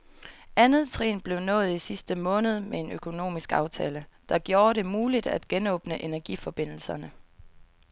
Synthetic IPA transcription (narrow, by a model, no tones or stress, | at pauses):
ʔænð̞̩ˠt͡sʰʁḭːnb̥le̝ʊnɔ̽ːð̞̩ˠisisd̥əmɔ̽ːnəð̞̩ˠmee̝nøkʰo̝no̝̰ːmisɡ̥ɑ̈ʊt͡sʰɛ̰ːləd̥ɑ̈ɡ̥jo̝ːɐɾe̝muːlid̥æ̰d̥ɡ̥enɔ̽ːb̥nəʔe̝næɐɡ̥ifɒ̽b̥e̝n̰l̩sɐnə